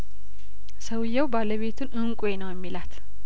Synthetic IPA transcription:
səwjːɛwbaləβe̞t̪ʰunɨŋkʼwenəwjɛmːilat̪

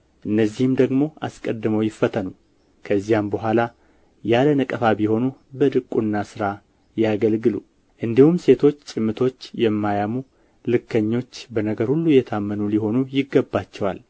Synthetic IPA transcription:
ʔɨnːəzːihɨmd̪əɡmo̞a̰skʼəd̪ːɨməwjɪfːət̪ʰənəw | kʰəzːijambəɦʷala | jalənəkʼəfabiho̞nubəd̪ɨkʼːunːasɨɾa | jaɡəlɡɨlu | ʔɨnd̪ihumse̞t̪ʰo̞t͡ʃːt͡ʃʼɪmːɨt̪ʰo̞t͡ʃːjɛmːajamu | lɨkːəɲːo̞t͡ʃːbənəɡəɾhulːujɛt̪ʰamːənuliho̞nujɪɡːəbːat͡ʃːɛwal

